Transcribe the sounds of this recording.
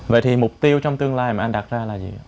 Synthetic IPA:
və̰˧˨jt̪ʰi˨˩mʊ˨˩k͡p̚t̪i˧əwt͡ɕɔ˧wŋ͡mt̪ɨ˧əŋlaː˧jmaː˨˩ʔa˧nɗa˨˩t̚zaː˧laː˨˩zḭ˨˩a˧˦

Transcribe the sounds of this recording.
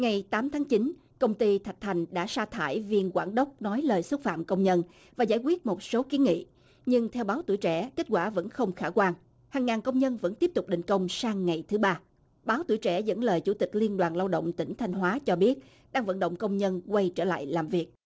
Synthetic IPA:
ŋa˨˩jt̪aː˨˦mt̪ʰaː˨˦ŋt͡ɕi˨˦n | kə˧wŋ͡mt̪i˧t̪ʰa˨˩k̚t̪ʰa˨˩jŋ̟ɗa̰ː˧˥saː˧t̪ʰa̰ː˧˩jvi˧ənkwaː˧˩nɗə˦˥wk͡p̚nɔ˨˦jləː˨˩jswə˦˥t̚fa̰ː˧˨mkə˧wŋ͡mɲə˧n | vaː˨˩zaː˧˩jkwi˦˥ət̚mo˨˩t̚so˨˦ki˨˦ənŋḭ˧˨ | ɲɨ˧ŋt̪ʰɛ˧wɓaː˨˦wt̪ṵ˧˩jt͡ɕɛ̰˧˩ke˦˥t̚kwaː˧˩və̰˧˥nxə˧wŋ͡mxaː˧˩kwaː˧ŋ | haː˨˩ŋːaː˨˩nkə˧wŋ͡mɲə˧nvə̰˧˥nt̪i˦˥əp̚t̪ʊ˨˩k͡p̚ɗḭ˧˨˩ŋ̟kə˧wŋ͡msaː˧ŋːa˨˩jt̪ʰɨ˨˦ɓaː˧ | ɓaː˨˦wt̪ṵ˧˩əjt͡ɕɛ̰˧˩zə̰˧˥nləː˨˩jt͡ɕu˧˩t̪ï˨˩k̟̚li˧ənɗwaː˨˩nlaː˧wɗə̰˧˨wŋ͡mt̪ï˧˩ŋ̟t̪ʰa˧jŋ̟ɦwaː˨˦t͡ɕɔ˧ɓi˦˥ət̚ | ɗaː˧ŋvə̰˧˨nɗə̰˧˨wŋ͡mkə˧wŋ͡mɲə˧nkwa˧jt͡ɕə̰ː˧˩la̰ː˧˨jlaː˨˩mvi˨˩ək̚

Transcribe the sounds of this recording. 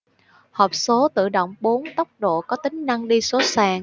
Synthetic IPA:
hɔː˨˩p̚so˨˦t̪ɨ̰˧˨ɗo̰˧˨wŋ͡mɓo˨˦nt̪ə˦˥wk͡p̚ɗo̰˧˨kɔ˨˦t̪ï˨˦ŋ̟na˧ŋɗi˧so˨˦saː˨˩ŋ

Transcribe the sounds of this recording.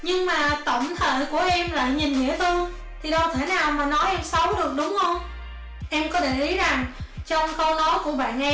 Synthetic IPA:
ɲɨ˧ŋmaː˨˩t̪ə̰˧˩wŋ͡mt̪ʰḛː˧˨ku˧˩əʔɛ˧mla̰ː˧˨jɲi˨˩nŋḭ˧˥ət̪ɨ˧ | t̪ʰi˨˩ɗə˧wt̪ʰe˧˩naː˨˩wmaː˨˩nɔ˨˦jʔɛ˧msə˨˦wɗɨ˨˩ək̚ɗʊ˨˦wŋ͡mhə˧wŋ͡m | ʔɛ˧mkɔ˨˦ɗe˧˩ʔi˨˦za˨˩ŋt͡ɕɔ˧ŋ͡mkə˧wnɔ˨˦jku˧˩əɓa̰ː˧˨nʔɛ˧

